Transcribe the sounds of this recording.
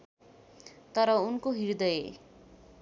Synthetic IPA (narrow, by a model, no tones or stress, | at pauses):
t̪ʌɾʌunkoɦiɾd̪ʌjḛ